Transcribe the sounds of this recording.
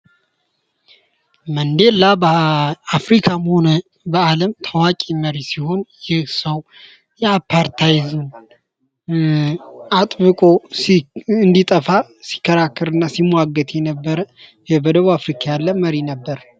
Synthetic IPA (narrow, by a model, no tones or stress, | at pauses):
mənd̪e̞lːabafɾikʰamho̞nə | bəaləmt̪ʰəwakʼiməɾisiho̞njɪhsəw | jɛapʰːaɾt̪ʰajzun | at̪ʼβɨkʼo̞sɨnd̪it̪ʼəfasi̥kːəɾakːɨɾɨnːasimwaɡːət̪ʰʼjɛnəbːəɾə | ɛbəd̪əβuafɾikʰajalːəməɾinəbːəɾ